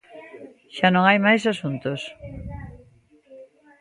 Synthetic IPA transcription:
ʃanõŋajmajsasunt̪os

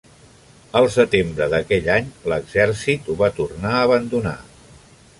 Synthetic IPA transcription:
əlˠsət̪embɾəðəkɛʎaɲləɡzɛrsit̪uβat̪urnaəːβənd̪una̰

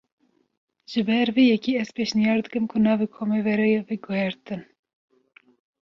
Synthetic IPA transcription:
ʒ̥ɨbɛɾvijɛkiɛz̥peːʃnijɑːɾd̪ɨkɨmkʰʊnɑːvekʰomɛvɛɾɛjeviɡʊhɛɾt̪ɨn

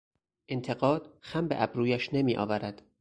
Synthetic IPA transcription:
ʔent̪ʰe̞ɢɒːd̪̥xæmbeʔæbɾuːjæʃne̞miːʔɒ̰ːvæɾæd̪̥

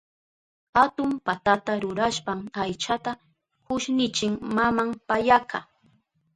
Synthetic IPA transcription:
hat̪ʊmpat̪at̪aɾʊɾaʃpamajt͡ʃat̪a | hʊʃnɪt͡ʃɪŋmamampajakʰa

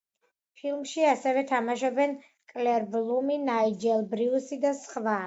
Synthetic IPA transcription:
pʰilˠmʃiasɛvɛt̪ʰamaʃɔbɛn | kʼlɛɾblˠuminaid͡ʒɛlˠbɾiusid̪asχva

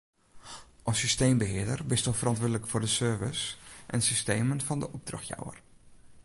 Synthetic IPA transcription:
ʔɔsysteːmbəɦɪədərbɪstofərɑntʋʊɹdələkfʊrdəsøːvəsʔɛ̰nsysteːmənfɔndəʔɔb̚drɔ̰xja̰wər

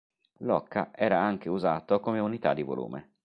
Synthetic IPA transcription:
lɔkːaʔɛːɾaaŋk̟euzaːt̪okomeunit̪ad̪ːivo̰lṵːmʔḛ

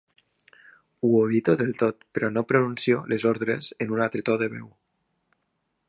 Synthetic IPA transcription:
uoβit̪oðelˠt̪ot̪̚peɾɔnopɾonunsjolezoɾðɾezenunat̪ɾet̪oðeβɛ̰w

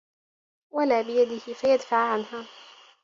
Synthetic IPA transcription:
walaːbɪjad̪ɪhɪfajad̪faʕʕanɦaː

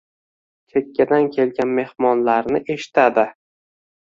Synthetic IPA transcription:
kʰe̞kʲːad̪ankʲʰe̞lɡʲanme̞hmɒnlaɾnɪʔe̞ʃɪ̥t̪ʰad̪ɪ

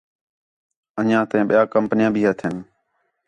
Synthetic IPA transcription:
əɲãːt̪əɛ̃ːɓɪjaːkəmpnɪjãːbʱiːɦət̪ʰən

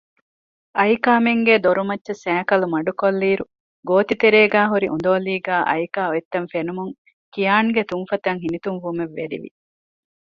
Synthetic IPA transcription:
ʔɐjkaːmeŋɡed̪oɾumɐtːʃesæːkɐlumɐɖukolːiːɾu | ɡoːt̪it̪eɾeːɡæːɦuɾiʔṵnd̪oːliːɡaːʔɐ̰jkaːoet̪ːɐnfenumuŋ | kijaːŋɡet̪uŋfɐt̪ɐŋɦinit̪uŋʋumeʋːeɾḭʋḭ

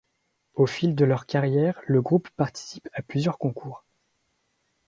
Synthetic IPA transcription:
ofild̪əlœʁkaʁjɛʁləɡʁupːaʁt̪i̥si̥paplyzjœʁkɔ̃kʰuːʁ

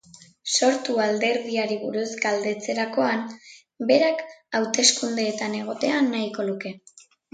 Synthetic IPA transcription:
so̞ɾt̪uald̪e̞ɾðiaɾiβuɾuzɡald̪e̞t͡se̞ɾako̞an | be̞ɾakawt̪e̞skund̪e̞ːt̪ane̞ɣ̞o̞t̪e̞anːaiko̞luke̞

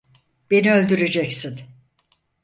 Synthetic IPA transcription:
b̥e̞niø̞lʲd̪yɾe̞d͡ʒɛcsin

